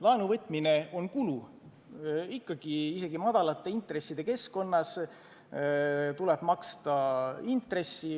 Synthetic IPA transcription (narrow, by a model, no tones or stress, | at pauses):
lɑenuvɤt̪ːˑmine̞o̞nkulu | ikːɑɡ̥iise̞ɡ̥imɑd̪̥ɑlɑt̪ˑːe̞int̪re̞sːid̪̥e̞ke̞sko̞nːɑs | t̪uleb̥mɑkst̪ɑint̪re̞sːi